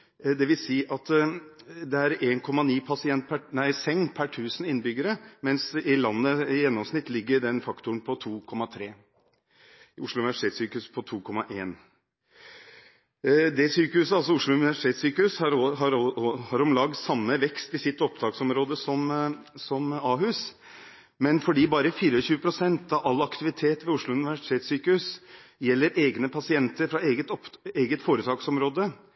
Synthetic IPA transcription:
d̪ɛʋɪlsiːʔɑt̪ | d̪ɛæɾeːnkʰɔmːɑniːpʰɑsɪɛnt̪̚pʰænæɪsɛŋːpʰæʈʰʉːsən̩ɪnːbʏɡːəɾəmɛnsɪlɑnːəjɛnːɔmsnɪt̪ːlɪɡːəɖɛnfɑkt̪ʊnpʰɔt̪ʰuːkʰɔmːɑt̪ʰɾeː | ʊʂlʊʉnɪʋæʂɪ̥t̪ʰeːt̪syːkəʉspʰɔt̪ʰuːkʰɔmːɑʔeːn | d̪ɛsyːkəhʉsəɑlsɔʊʂɭʊʉnɪʋæʂɪt̪ʰeːt̪syːkəʉshɑɾɦɑɾhɑɾɔmlɑɡsɑmːəʋɛkst̪ɪsɪt̪ːɔpd̪ʰɑːksɔmɾoːd̪əsɔm | sɔmɑːɦʉs | mɛnfɔɖiːbɑːɾəfiːɾəɔçʉːəpʰɾʊsɛnt̪ɑʋʔɑlːɑkt̪ɪʋɪt̪ʰeːt̪ʋɛːʊʂlʊʉnɪʋæʂɪ̥t̪ʰeːt̪syːkəʉsjɛlːəɾeːɡnəpʰɑsɪɛnt̪əɾfɾɑeːɡət̪eːɡət̪foːɾət̪ʰɑːksɔmɾoːd̪ə

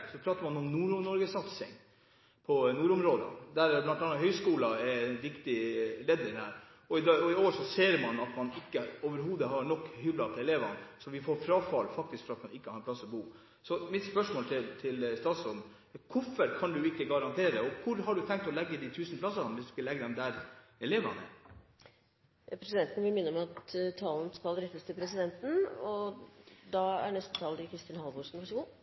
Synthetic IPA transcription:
sɔpʰɾɑːt̪əɾmɑnɔnnuːɾʊnɔɾɡəsɑt̪sɪ̰ŋ | pʰɔnuːɾʊmɾoːd̪ə̰d̪æɾblɑnt̪ɑnːɑɦœʏskuːlɑɛnʋɪkt̪ɪleːd̪nɪŋhæ̰ːɾ | ɔɪɔɪoːʂɔseːɾmɑnɑt̪mɑnɪkːəoːʋəɾɦuːd̪əɦɑɾɳɔkːhʏlːɑp̪ʰɔɛleːʋɑnsɔʋɪfoːɾfɾɑːfɑlfɑk̚t̪ɪskfɔɾɑt̪mɑnɪkːəhɑɾɛpʰlɑsːɔbuː | sɔmɪt̪spœʂmoːlt̪ʰɪlt̪ʰɪlst̪ɑːt̪sɔn | kʰʊfəɾkʰɑnd̪ʉɪkːəɡɑɾɑnt̪ʰeːɾəɔkʰʊɾɦɑɖʉt̪ʰɛŋk̚t̪ɔlɛɡːəd̪it̪ʰʉːsnplɑsɑnʋɪsd̪ʉsʋɪllɛɡːəd̪ɛmd̪æɾɛleːʋɑ̰nə̰ | pʰɾɛsɪd̪ɛnt̪nʋɪlmɪnːəɔmɑt̪t̪ʰɑːln̩skɑlɾɛt̪ːəst̪ʰɪlpʰɾɛs̬ɪd̪ɛnt̪n̩ɔ | d̪ɑæ̰ɳɛst̪ət̪ʰɑːld̪ɪkʰɾɪst̪ɪnhɑlʋʊʂn̩ʋæʂɔɡuː

